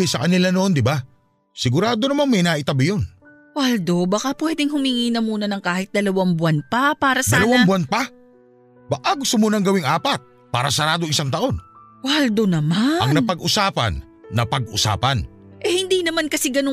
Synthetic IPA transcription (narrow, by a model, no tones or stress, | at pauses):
ɛsɐkɐnɪlanoʔnd̪ɪba | sɪɡʊɾaːd̪onɐmanmɐjnaːʔɪt̪abjon | wald̪o̞bɐkapwɛːd̪ɪŋhʊmiːŋiːnɐmuːnɐnɐŋkaːhɪt̪̚d̪ɐlɐwaŋbʊanpɐpaːɾɐsdaɐlɐwaŋbʊanpa | baʔaɡʊst̪omonɐŋɡɐwɪŋʔaːpɐt̪̚ | pa̰ːɾɐsɐɾaːd̪oŋʔɪsaŋt̪ɐʔo̞n | wald̪onɐmaɐ̰ŋnɐpɐɡʊsaːpɐ̰nː | ɐpɐɡʔʊsa̰ːpɐnʔɛhɪnd̪inɐmankɐsɪɡɐno